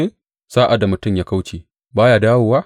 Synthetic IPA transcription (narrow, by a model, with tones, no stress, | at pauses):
e˦ | saː˦ʔa˨da˨mʊ˨tʊ˦˨mjaː˦ka˦wt͡ʃeː˨ | baː˦jaː˨daː˦woː˨waː˦